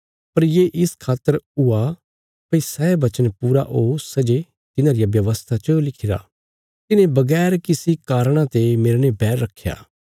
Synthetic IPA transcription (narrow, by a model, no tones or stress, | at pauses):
pɐɾjeːʔɪskʰaːt̪ːəɾʊa | pɐisaebɐt͡ʃənpuːɾa̰ʔoːsɐd͡ʒe | t̪ɪnãɾijabjɐʋəst̪ʰat͡ʃəlɪkʰɪɾa̰ː | t̪ɪnẽbɐɡɛːɾkɪsikaːɾɽ̃ãt̪emeːɾnẽbɛːɾːɐkʰːja̰ː